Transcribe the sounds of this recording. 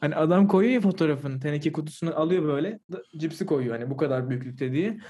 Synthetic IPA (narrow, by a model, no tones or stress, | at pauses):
haniad̪amkʰo̞jojafo̞t̪ʰo̞ɾafɯnt̪ʰenecʰɛkut̪u̥sunaʔalˠɯjo̞bø̞jlʲɛd̪ad͡ʒipsikʰo̞jujohanibukad̪aɾbyjycʲlʲyc̚ʲt̪ʰɛd̪ijɛ